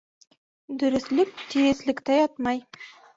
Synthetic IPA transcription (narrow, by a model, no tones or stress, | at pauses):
d̪ɵɾʏ̆slɪk̚t̪ʰijeslɪ̆kt̪ejɑt̪mɑj